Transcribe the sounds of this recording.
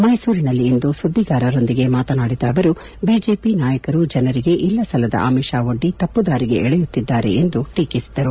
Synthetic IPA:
mɐjsuːɾinɐlːiːnd̪usud̪ʱːiɡaːɾɐɾo̞nd̪iɡe̞maːt̪ɐnaːɽid̪ɐːʋɐɾu | biːd͡ʒe̞ːpinaːjɐkɐɾud͡ʒɐnɐɾiɡe̞ʔilːɐsɐlɐd̪ɐ̰ʔa̰ːmiʃaːo̞ɖːit̪ɐpːud̪aːɾiɡe̞ɛɭɛjut̪ːid̪ːaːɾe̞̰end̪uʈiːkisid̪ɐɾu

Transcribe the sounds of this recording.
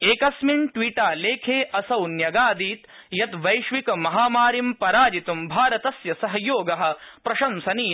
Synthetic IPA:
eːkɐsmiɳʈʋiːʈaːleːkʰeːʔɐsɐwnjɐɡaːd̪iːt̪ | jɐt̪ʋɐjʃʋikɐmɐɦaːmaːɾimpɐɾaːd͡ʒit̪umbʱaːɾɐt̪ɐsjɐsɐɦɐjoːɡɐɦɐ̆pɾɐʃɐmsɐniː

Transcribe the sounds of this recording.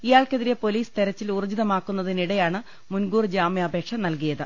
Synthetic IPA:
ijaːɭkeðiɾepo̞liːst̪eɾɐt͡ɕːilurud͡ʑiðɐmaːkːunːɐðiniɽɐjaːɳɨ | munɡuːrd͡ʑaːmjɐɐbʱe̞ːkʂɐmnɐlkijɐðɨ

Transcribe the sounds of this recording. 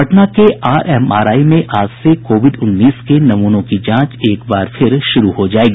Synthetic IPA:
ɐʈnakeʔaːɾʔɛmaːɾaːimẽʔʔaːd͡ʒsekoːʋɪɖʊnːiːskenɐmuːnõkid͡ʒãːt͡ʃeːkbaːɾfʰɪɾʃʊɾuhod͡ʒaːeːɡi

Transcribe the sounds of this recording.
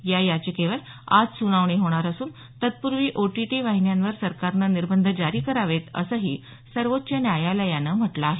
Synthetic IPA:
jajat͡ɕikeʋəl | a̰d͡zsunaʋɳ̃iɦoɽ̃aɾəsuːn | t̪ət̪̚puɾʋiːʔoʈiʈiʋaɦinjanʋəɾsəɾkaɾnaniɾbənd̪ʱəd͡ʑaɾiːkəɾaʋet̪ə̰səɦiː | səɾʋot̪ːt͡ɕənjajalajanəm̤əʈlaːɦe

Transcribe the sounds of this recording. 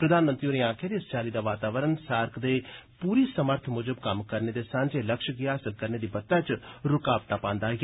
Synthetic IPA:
pɾəd̪aːnmə̃nt̪ɾioɾeãːkʰeːɾest͡ʃaːlid̪aːʋaːt̪aːʋəɾənsaːɾkʰd̪eːpuːɾisəməɾt̪ʰmʊd͡ʒəbkɐmkəɾned̪esãːɲd͡ʒeːləkʃɡɪaːsəlkəɾned̪iːbɐt̪ːãt͡ʃɾʊkaːpʈ̪aːpãːnd̪aː

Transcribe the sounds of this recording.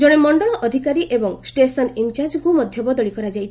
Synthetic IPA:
d͡ʒoɽ̃emɔɳɖɔɭɔʔɔd̪ʱikaɾiʔebɔŋsʈesɔnint͡ʃaɾd͡ʒɡumɔd̪ʱjɔbɔd̪ɔɭikɔɾad͡ʒajt͡ʃʰ

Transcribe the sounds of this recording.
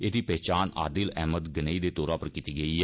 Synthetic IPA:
eːd̪iːpɛːt͡ʃaːna̰ːd̪ɪlɛ̰ːməd̪ɡənəiːd̪eːt̪oːɾaːpəɾkiːt̪iːɡəiːɦɛː

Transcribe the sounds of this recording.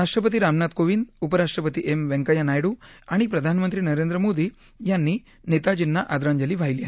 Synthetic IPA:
ɾaʂʈɾəpət̪iːɾamnat̪koʋind̪upəɾaʂʈɾəpət̪iʔemʋɛ̃ŋkəjanajɽuːaɽ̃ipɾɐd̪ʱanmə̃nt̪ɾiːnɐɾend̪ɾəmod̪ʱiː | janːiː | net̪ad͡ʑinːaʔad̪ɾaɲd͡ʑəliːʋʱajlia

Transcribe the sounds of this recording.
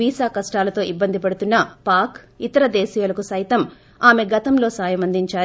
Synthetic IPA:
iːsaːkɐsʈaːlɐt̪o̞ːʔibːɐnd̪ipɐɽut̪unːɐpaːk | it̪ɐɾɐd̪eːsiːjɐlɐkusɐjt̪ɐm | aːme̞ɡɐt̪ɐmlo̞ːsaːjɐmɐnd̪iɲt͡ʃaː

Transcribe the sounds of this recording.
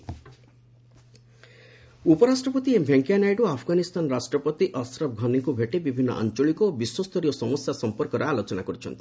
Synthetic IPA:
upɔɾasʈɾɔpɔt̪iebʱjeŋkijanajɖuapʰɔɡanist̪ʰanɔɾasʈɾɔpɔt̪iʔɔsɾɔb̚ɡʱɔnikubʱeʈebibʱinːɔ̰ʔa̰nt͡ʃɔɭikɔːbiswɔst̪ʰɔɾijɔsɔmɔsjasɔmpɔɾkɔɾɔalot͡ʃɔnakɔɾit͡ʃʰɔ̰nt̪ʰi̥

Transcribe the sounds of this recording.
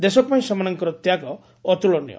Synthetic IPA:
d̪esɔkɔpaĩsɔmanɔŋkɔɾɔt̪jakɔː | t̪ulɔnḭjɔ̰

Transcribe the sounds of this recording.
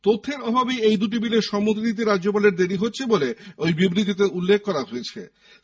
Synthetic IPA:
t̪ot̪ʰːeɾɔbʱabijejd̪uʈ̬ibileɾʃɔmot̪init̪̬eɾadːʑop̬aleɾd̪eɾiɦotːɕʰeboleojbibɾit̪̬it̪eulːek̚ʰkɔɾaɦoet͡ɕʰe

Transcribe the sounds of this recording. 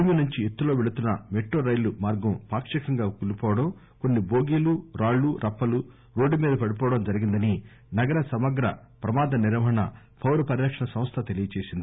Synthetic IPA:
minuɲt͡ʃiet̪ːuloːʋeɽut̪unːɐmeʈːoːɾɐjlumaːɾɡɐmpaːkʂɐkɐŋɡaːkulipɔːʋɐɽɐm | ko̞nːiboːɡiːluɾaːɭːuɾʔɐpːɐlu | ɾo̞ːɖːumiːd̪ɐpɐɽip̬ɔːɐɽɐmd͡ʒɐɾiɡind̪ɐni | nɐɡɐɾɐsɐmɐɡɾɐ̰ | pɾɐmaːd̪ɐniɾʋɐɦɐɳɐ̰ | pʰɐwɾupɐɾilɐkʂɐɳɐsɐ̃mst̪ʰɐt̪e̞lijɐt͡ʃe̞ːsind̪ii

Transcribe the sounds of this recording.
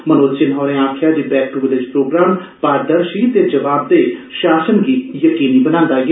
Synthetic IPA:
mənoːt͡ʃɪnɦɔːɾẽːaːkʰjaːd̪iːbɛːk̚ʈuʋd̪ed͡ʒpɾoːɡɾaːmpaːɾd̪əɾʃit̪ed͡ʒəʋaːb̚d̪eːʃaːsənɡiːjəkiːniːbənãːnd̪aːɡ

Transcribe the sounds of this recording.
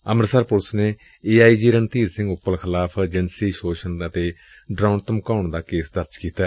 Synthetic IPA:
əmɾsəɾpʊɾsneː | eːaːiːd͡ʒiːɾənt̪iːɾsɪ̃ŋɡʊpːəlkʰɪlaːpʰd͡ʒənsiːʃoːʃənət̪eː | ɖɾaːʊnt̪əmkaːʊɳd̪aːkeːsd̪əɾd͡ʒkiːt̪aː

